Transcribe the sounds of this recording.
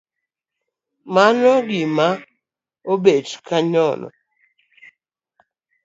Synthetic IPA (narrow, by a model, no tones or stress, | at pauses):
manɔɡɪma | obetkʰaɲɔnɔ̰